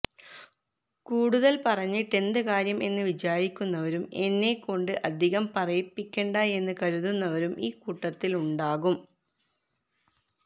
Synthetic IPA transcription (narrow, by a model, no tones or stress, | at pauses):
kuːɽuðɐlpɐrɐɲːiʈːe̞nd̪ɨkaːɾjɐme̞nːɨʋit͡ɕaːɾikʲːunːɐʋɐɾume̞nːe̞kːo̞ɳɖɨʔɐd̪ʱiɣɐmpɐrɐjipːikʲːeːɳɖɐe̞nːɨkɐɾuðunːɐʋɐɾumʔiːkuʈːɐt̪ːiluɳɖaːɣum